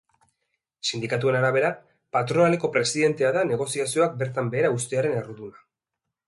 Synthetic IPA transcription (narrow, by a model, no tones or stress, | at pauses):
sind̪ikat̪̬ue̞naɾaβe̞ɾa | pat̪ɾo̞nale̞ko̞pɾe̞siðe̞nt̪e̞aðane̞ɣ̞o̞siasio̞ak̚be̞ɾt̪ambe̞ːɾaust̪e̞aɾe̞neruðuna